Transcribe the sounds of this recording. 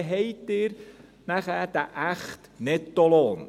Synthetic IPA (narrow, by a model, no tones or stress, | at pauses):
ɦejtːɪɾ | næχæːd̥̪aʔæχt̪nɛtːoloːn